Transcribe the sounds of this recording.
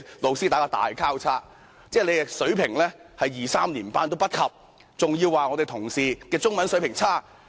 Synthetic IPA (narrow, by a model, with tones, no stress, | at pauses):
lo˨˧wsi˥aː˨˧jkaː˥t̪a̰ː˨jkʰaː˥wt͡sʰaː˥ | t͡sɛː˥˩le˨˧ɛ˧sɵ˨˥ɥpʰɪ˨˩ŋlɛː˥hɐ˨jːiː˨˩saː˥mliː˨˩npa̰ː˥nt̪o˥wpɐ˥t̚kʰɐ˨p̚ | t͡sʊ˨ŋji˧wːaː˨ŋɔː˨˧t̪e˨˩t̪ʰʊ˨˩ŋsiː˨kɛː˧t͡sʊ˥ŋmɐ˨˧nsɵ˨˥ɥpɪ˨˩ŋt͡sʰaː˥˩